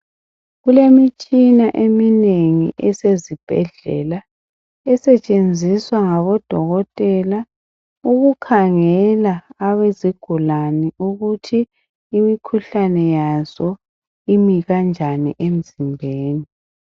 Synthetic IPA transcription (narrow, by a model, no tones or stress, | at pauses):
ɣulemit͡ʃʼinaʔemineŋḭʔɛsezib̥ʱɛ̰ɮɛ̰la | ɛsɛt͡ʃʼend͡zʱiswaŋaβɔd̥ʱɔɣɔtʼɛla | uɣukʰaŋɛlaːweziɡ̥ʱulaniuɣutʰiː | mikʰuɬanɛjazɔ | imiɣand͡ʒʱanḭʔem̩zimbʱeːni